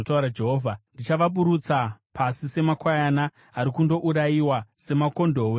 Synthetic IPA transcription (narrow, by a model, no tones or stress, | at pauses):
otauɾad͡ʒe̞ɦoːvʱandit͡ʃaʋaɓuɾut͡sapʰasise̞makwajana | aɾikundo̞ʔuɾajiwase̞mako̞ndo̞ːwe